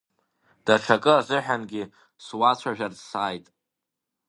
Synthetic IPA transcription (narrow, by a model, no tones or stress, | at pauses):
d̥aʈ͡ʂʰakʼɨazʷɨħanɡʲi | swat͡ɕʷʰaʒᶣarsaːjtʼ